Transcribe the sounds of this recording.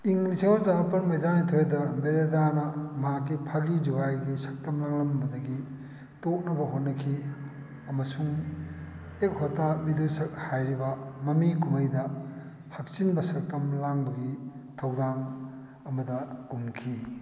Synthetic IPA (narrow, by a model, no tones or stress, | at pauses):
iŋlisiŋozabɐpɐnmɐjdanitʰojedɐbeɾedanɐmɐɦakːipʰaɡid͡ʒuɡajɡisɐk̚tɐmlaŋlɐmbɐdɐɡi | tok̚nɐbɐɦot̚nːɐkʰi | ɐmɐsuŋ | ek̚hotːabidusɐk̚hajɾibɐmɐmikumɐjdɐ | hɐk̚t͡ʃinbɐsɐk̚tɐmlaŋbɐɡi | tʰɐwdaŋ | ɐmɐdɐɡ̥umkʰi